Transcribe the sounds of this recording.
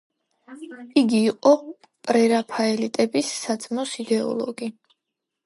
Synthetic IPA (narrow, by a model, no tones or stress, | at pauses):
iɡiːqʼɔ | pʼɾɛɾapʰaɛlit̪ʼɛbisːad̪zʼmɔsid̪ɛɔ̰lˠɔ̰ɡi